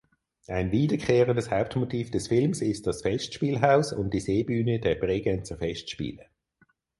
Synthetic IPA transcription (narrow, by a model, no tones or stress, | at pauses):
ʔaɪnviːdəkʰχeːʁəndəshaʊp̚tmotʰiːfd̥ɛsfɪlmsɪstd̥ɑsfɛʃtʃpiːlɦaʊsʊ̰nt̚d̥iseːbyːnəd̥ɛɐbʁeːɡɛnt͡səfɛʃtʃpḭːlə